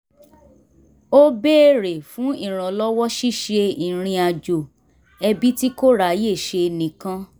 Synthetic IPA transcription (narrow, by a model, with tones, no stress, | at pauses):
o˦be˦e˦ɾe˨fũ˨˦i˦˨ɾ̃ã˨lɔ˦wɔ˦ʃi˦˨ʃe˧i˨ɾ̃ĩ˧a˨d͡ʒo˨ | ɛ˧bi˦ti˦ko˦ɾa˦˨˦je˦˨ʃe˧nĩ˨kã˧